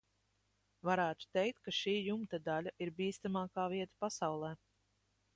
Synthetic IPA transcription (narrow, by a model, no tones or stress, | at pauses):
vaɾæːt̪u̥t̪ɛjk̚t̪̚kaʃiːjumt̪ad̪alʲaʔiɾbʲiːst̪amaːkaːviɛt̪ḁpasawlˠɛː